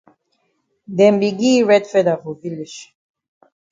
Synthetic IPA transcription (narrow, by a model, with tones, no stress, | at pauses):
d̪ɛ˨mbi˨ɡi˦ɹɛ˦d̪fɛ˦d̪a˨vu˨vi˦li˨ʃ